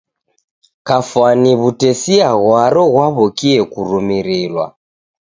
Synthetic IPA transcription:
kafwaniβutɛsiaɣwaɾɔɣwaβɔkiɛkuɾumiɾiɾwa̰

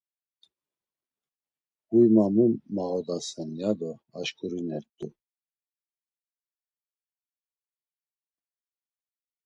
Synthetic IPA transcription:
ujmamumːaʁɔd̪asɛnjad̪ɔaʃkʼuɾinɛɾt̪ʼu

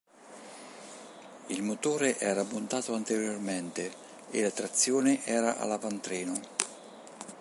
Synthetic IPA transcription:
ilmot̪oːɾeʔɛːɾamːunt̪aːt̪oant̪eɾjormɛnt̪e | ḛlat̪ɾat̪sːjoːneʔɛːɾaʔa̰lavant̪ɾɛːno

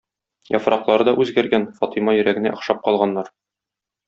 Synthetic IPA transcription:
jɒfɾʔɑqlˠɑɾɤd̪ɒʔʉzɡæɾɡænfɒt̪imɑjɵ̆ɾæɡɘ̆næ̰ŏqʃɑp̚qɒlˠʁɑnːɑɾ

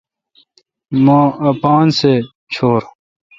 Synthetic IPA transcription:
mõɐpaːnse | t͡ɕʰoːɾ

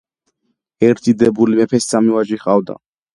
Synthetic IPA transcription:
ɛɾt̪ʰid̪ɛbulimɛpʰɛssamiwaʒiχavd̪a̰

